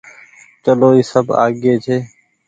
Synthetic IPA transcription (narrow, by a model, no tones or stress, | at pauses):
t͡ʃəloːiːsəbʱa̰ːɠeːt͡ʃʰeː